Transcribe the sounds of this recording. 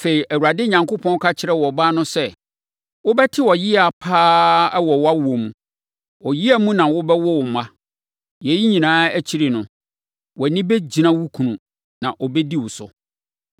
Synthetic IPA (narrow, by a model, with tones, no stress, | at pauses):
fe˨ɾi˨ʔæ˨wu˨ɾa˨dɪ˦ɲã˨ŋko˦pʰɔ̃˦n˦kʰa˦t͡ɕʰɪ˦ɾɛ˦wɔ˨ba˦nʊ̃˦sɛ˦˨ | wʊ˦bɛ˦tʰɪ˦wɔ˨ji˦a˨pʰaː˦ɛ˦wɔ˨wa˦wu˨o˨mũ˨ | ɔ˨ji˦æ˦mũ˦nã˨wʊ˦bɛ˦wɔ˦wʊ˨mã˦ | jɛ˨ji˦ɲĩ˨nãː˦æ˦t͡ɕʰi˦ɾɪ˨nʊ̃˨ | wɔ˨nɪ̃˦bɛ˦d͡ʑi˨nã˦wu˦kʰũ˨nũ˨ | nã˨ʔɔ˨bɛ˦di˦wʊ˨sʊ̰˨